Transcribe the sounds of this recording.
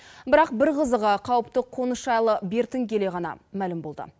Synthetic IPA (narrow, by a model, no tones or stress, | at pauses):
bɪɾɑqbɪɾqəzəʁəqʰɑwəp̚t̪əqʰo̞nəʃɑjlˠəbe̞ɾt̪ɪŋkʲʰe̞le̞ʁɑnɑ̰mælɪmbo̞lˠd̪ə̰